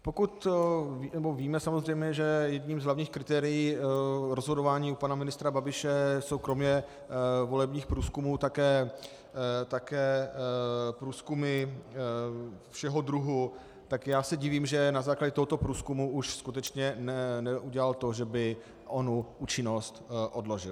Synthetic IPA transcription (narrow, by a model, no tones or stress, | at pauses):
po̞kut̪vnɛbo̞viːmɛsamo̞zr̝ɛjmɲɛʒɛjɛd̪ɲiːmzɦlavɲiːxkɾɪt̪ɛːɾɪjiːɾozɦodo̞vaːɲiːupanamɪnɪst̪ɾababɪʃɛso̞wkɾo̞mɲɛ | vo̞lɛbɲiːxpɾuːskumuːt̪akɛː | t̪akɛː | pɾuːskumɪ | fʃɛɦo̞d̪ɾuɦu | t̪akjaːsɛɟɪviːmʒɛnazaːklaɟɛt̪oɦot̪o̞pɾuːskumuʔuʃskut̪ɛt͡ʃɲɛnɛnɛʔuɟɛlalt̪o̞ʒɛbɪ | ʔo̞nuuːt͡ʃɪno̞st̪ʔo̞dlo̞ʒɪl